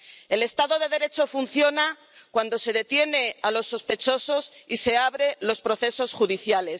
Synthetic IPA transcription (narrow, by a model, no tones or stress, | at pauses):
e̞le̞st̪aðo̞ðe̞ðe̞ɾe̞t͡ʃo̞funθjo̞na | kwand̪o̞se̞ðe̞t̪je̞ne̞alo̞sːo̞spe̞t͡ʃo̞so̞sise̞aβɾe̞lo̞spɾo̞θe̞so̞sxuðiθjale̞s